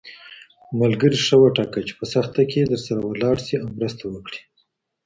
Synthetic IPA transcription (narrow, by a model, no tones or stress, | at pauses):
malɡəɾiʂəwaʈɑkat͡ʃe̥pəsaxt̪aked̪əɾsaɾawəlɑɽsiawmɾəst̪awəkɽi̥